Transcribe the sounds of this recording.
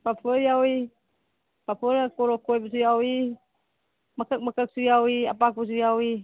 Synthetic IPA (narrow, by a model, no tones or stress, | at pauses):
papʰəɾjawi | papəɾakoɾokojpəs̬ujawi | məkək̚məkək̚sujawia̰pak̚pəs̬ujawi